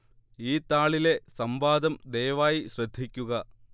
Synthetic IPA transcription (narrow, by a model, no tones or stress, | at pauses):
iːt̪aːɭile̞sɐmbaːd̪ɐmd̪ejʋaːjiɕrɐd̪ʱːikʲːuɣɐ